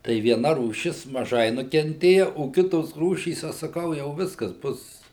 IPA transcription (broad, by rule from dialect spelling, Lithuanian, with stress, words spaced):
tɐɪ ʋʲiɛˈnɐ ruːˈʃʲɪs mɐˈʒɐɪ nʊkʲɛnʲˈtʲeːjɛ oː ˈkʲɪtoːs ˈruːʃʲiːs ˈɐʃ sɐˈkɐʊ jɛʊ ˈʋʲɪskɐs ˈbʊs